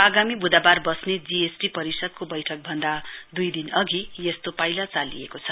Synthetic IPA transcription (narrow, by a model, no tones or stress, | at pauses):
aɡamibud̪abarbʌsned͡ziesʈipʌɾisʌd̪̚kobʌjʈʰʌk̚bʱʌnd̪ad̪ujd̪inʌɡijest̪opajlat͡salḭjekot͡sʰʌ